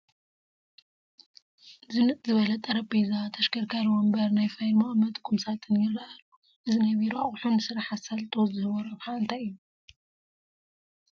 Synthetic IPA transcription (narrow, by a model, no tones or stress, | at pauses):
zɨnɨt̪ʼzɨβɐlɐt̪ʼɐɾɐpezat̪ʰɐʃkʰɐɾkʰaɾwombɐɾnajfajlmamɐt̪ʼkʰːumsat̪ʰɨnjɪrːaʔɐlu | ʔɨzinajβiɾaħunɨsɨɾaħasalt̪ʼozɨhɨβɐɾɐβħaɨnt̪ʰaɨjːu